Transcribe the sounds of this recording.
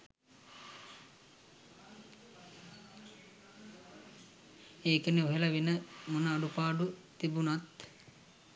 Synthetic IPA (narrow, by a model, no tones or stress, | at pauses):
eːkəneoɦelɐʋenəmunəːɖupaːɖut̪ibunat̪